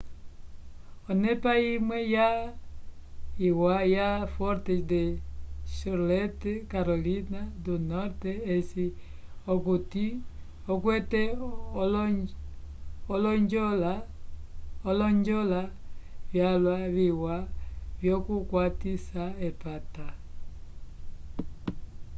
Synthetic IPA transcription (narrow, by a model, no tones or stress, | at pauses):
ɔnɛpajimwɛja | iwajafɔɾtɛdɛʃoɾlɛtɛkaɾolinadunɔɾtɛːsi | okuti | okwɛtɛ | ɔlɔɲd͡ʒɔla | ɔlɔɲd͡ʒɔlavjalwaβiwavjɔkukwatisaɛpata